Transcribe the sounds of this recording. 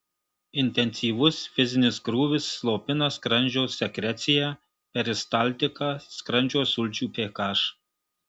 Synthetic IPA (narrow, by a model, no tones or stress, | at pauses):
ɪnʲt̪ʲɛnʲsʲiːʋʊsfʲɪzʲɪnʲɪsɡɾuːʋʲɪsːlˠoːpʲɪnɐskɾɐnʲd͡ʒʲɛʊsːʲɛkɾʲɛt̪sʲɪjæ | pʲɛɾʲɪst̪ɑˑlʲˑt̪ʲɪkɑskɾɐnʲd͡ʒʲoːsʊlʲt͡ʃʲuːpʲeːkɑːʃ